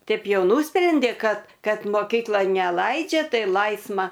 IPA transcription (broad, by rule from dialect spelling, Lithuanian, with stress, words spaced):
ˈtɐɪp ˈjɛʊ ˈnʊsʲpʲrʲɛnʲdʲeː ˈkɐt ˈkɐt moːˈkʲiːklˠoːn nʲɛˈlˠɐɪd͡ʒʲɛ ˈtɐɪ ˈlˠɐɪsmɐ